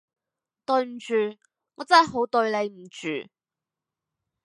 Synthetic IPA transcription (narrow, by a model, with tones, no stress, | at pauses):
t̪ɵ˧ɥm̩˨˩t͡ʃyː˨˧ | ŋɔ̰ː˨˧t͡sɐː˥˩ɦo˨˥wt̪ɵ˧ɥle˨˧jm̩˨˩t͡ʃy̰ː˨